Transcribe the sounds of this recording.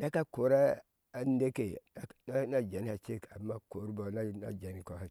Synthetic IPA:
na˦ka˦ko˨ɾa˦ | a˦n˦de˦ke˨˦na˦na˦d͡ʒe˨n˦a˨t͡ʃe˦ka̰˨mːa˦ko˨ɾi˦bo˨˦na˦na̰˨d͡ʒe˨ni˦ko˨ha˨˦

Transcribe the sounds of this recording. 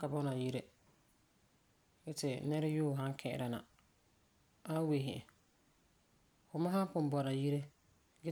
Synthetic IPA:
ka˨bɔ˦na˨ji˦ɾe˦ | ɡɛ˦tɪ˨nɛ˦ɾa˦juː˦˨ɦã˦ŋ˦kʰɛ˦˨ɪ̰˦˨ɾa˨na̰˨ | a˦we˨ɦɪ̰˨ʔɪ̰̃˨ | fʊ˨ma˦ɦa˦m˦pʊ˨m˦bɔ˨na˨ji˦ɾe˦ | ɡɛ˦

